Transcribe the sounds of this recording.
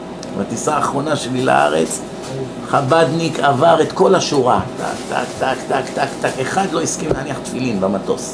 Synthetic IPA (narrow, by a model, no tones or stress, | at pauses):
ma̰t̪isaːχʁo̞naʃe̞lila̰a̰ʁḛt͡s | χabad̪nikavaʁe̞t̪ko̞laʃuʁat̪a̰kt̪a̰kt̪akt̪akt̪akt̪akeχad̪lo̞iskimlehaniaχt̪filinbamat̪o̞̰s